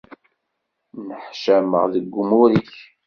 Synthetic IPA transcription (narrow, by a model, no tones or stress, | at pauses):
nəħʃæmə̰ʁðəɡʷːʊmuɾiç